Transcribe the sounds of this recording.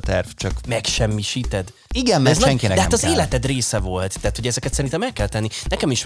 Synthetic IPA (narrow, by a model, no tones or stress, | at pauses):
t̪ɛrvt͡ʃɒkmɛkʃɛmːiʃiːt̪ɛd̪ | iɡɛmɛzʃɛŋkiɛd̪ɛɦat̪ɒzeːlɛt̪ɛd̪reːsɛvo̞lt̪ːɛaːt̪ho̞ɟɛzɛkɛt̪sɛɾint̪ɛmɛkːɛlt̪ɛnːinɛkɛmiʃ